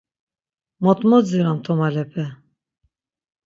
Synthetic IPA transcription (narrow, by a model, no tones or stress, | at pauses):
mɔt̪ʼmɔd͡ziɾamt̪ʰɔmalɛpʰɛ